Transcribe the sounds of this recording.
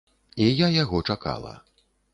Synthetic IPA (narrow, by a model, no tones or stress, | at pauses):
ijajaɣɔt͡ʂaka̰lˠɐ̰